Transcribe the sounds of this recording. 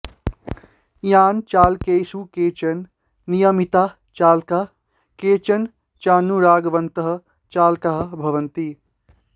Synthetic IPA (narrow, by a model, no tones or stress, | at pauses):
jaːnt͡ʃaːlkeːsukeːt͡ʃənː | ijəmit̪a | t͡ʃaːlka | keːt͡ʃən | t͡ʃaːnːuɾaːɡʋɐnt̪əɦ̆ | t͡ʃaːlkaɦbʱɐʋənt̪i